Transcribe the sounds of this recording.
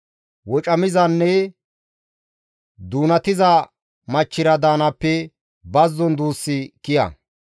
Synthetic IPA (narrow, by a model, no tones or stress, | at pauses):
wɔt͡ʃʼɐmɪzɐnːɛ | d̪uːnɐt̪ɪzɐ | mɐt͡ʃːɪɾɐd̪aːnɐpːɛ | bɐzːɔnd̪uːsːɪkɪjɐ̰